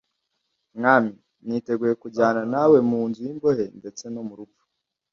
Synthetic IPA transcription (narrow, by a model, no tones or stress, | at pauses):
mŋaːmi | niːte̞ɡuje̞kuɟaːnanawe̞muːnzujimbohe̞nde̞t͡se̞no̞muɾupfu̥